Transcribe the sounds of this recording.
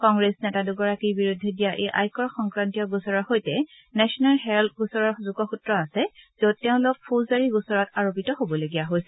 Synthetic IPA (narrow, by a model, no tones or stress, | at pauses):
kɔŋɡɹesnɛtaduɡɔɹakiɹbiɹudʱːɛdijaʔḛʔa̰jkɔɹxɔŋkɹantijɔɡusɔɹɔxojtɛ | nɛsɔnalɦɛɹltɡusɔɹɔɹzuɡɔxutɹɔasɛz̥od̚tɛʊ̃lʊk̚pʰozaɹiɡusɔɹɔtaɹopitɔɦobɔloɡijaɦojsɛ